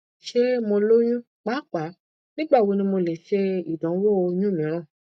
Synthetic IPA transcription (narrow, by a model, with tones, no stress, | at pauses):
ʃe˦mõ˧lo˦j̃ũ˦ | k͡pa˨˦k͡pa˨˦ | nĩ˦ɡ͡ba˦˨wo˧nĩ˧˦mo˧le˨ʃe˧i˦˨dɔ̃˨˦wo˦o˧jũ˦mĩ˨˦ɾ̃ã˦˨